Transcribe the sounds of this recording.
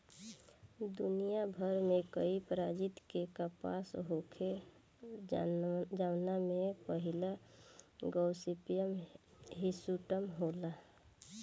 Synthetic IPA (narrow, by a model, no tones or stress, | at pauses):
d̪unijabʱəɾmẽkəipɾad͡ʒɪt̪kekapa̰sɦokʰe | d͡ʒawnamẽpəɦɪla | ɡɔʊsipijəmɦɪsuʈəmɦola